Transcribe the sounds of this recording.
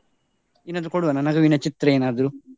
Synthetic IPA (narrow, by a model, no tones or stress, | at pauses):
inːɐd̪ukoɽuʋɐnɐnɐɡɐʋinɐt͡ʃit̪ɾɐeːnaːd̪ɐɾu